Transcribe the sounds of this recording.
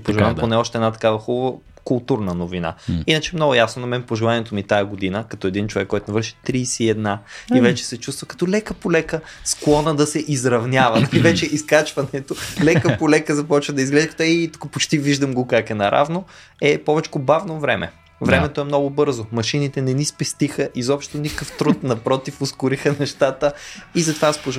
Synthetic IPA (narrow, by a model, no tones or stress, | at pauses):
poʒɛlˠamponɛɔʃt̪ɛːd̪nat̪ɐ̥kavɐxubɐvə | kʊlˠt̪uɾnənovina̰inət͡ʃɛmnɔɡʊjasnonɐmɛnpoʒɛlˠaniɛt̪omit̪ajɐɡod̪inəkɐt̪ɔɛd̪int͡ʃovɛkːɔjt̪omɛvəɾʃi̥t̪ɾiːsiɛd̪naivɛt͡ʃɛ̥sɛt͡ʃust̪vəkɐ̥t̪ɔlɛkəpolɛkə | sklˠɔnəd̪ɐsɛʔizɾɐvnʲavɐivɛt͡ʃɛʔiskat͡ʃvɐnɛt̪olɛkəpolɛkəzɐpɔt͡ʃvəd̪ɐizɡlɛʒikɐt̪ɛit̪u̥kəpot͡ʃt̪iviʒd̪ɐmɡokakɛnɐɾʔa̰vno | ɛpɔvɛt͡ʃkobavnovɾɛmʔɛ̰ | vɾɛmɛt̪oɛmnɔɡʊbɤɾzomɐʃinit̪ɛnɛnispɛst̪ixəʔizɔpʃt̪onikəft̪ɾut̪̚nɐpɾɔt̪ifʊskʊɾixənɛʃt̪at̪əizɐt̪ovaspoʒ